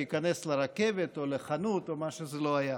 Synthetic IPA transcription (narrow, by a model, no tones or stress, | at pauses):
ikane̞sleɾake̞vet̪o̞leχanut̪omaʃezelo̞aja